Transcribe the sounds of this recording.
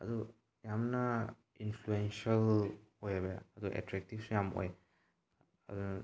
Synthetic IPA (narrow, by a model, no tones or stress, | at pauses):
ɐ̰du | jamnɐ | inpʰluensɐl | ojabejaɐduʔḛtɾek̚tipsujamʔo̰j | ɐ̰du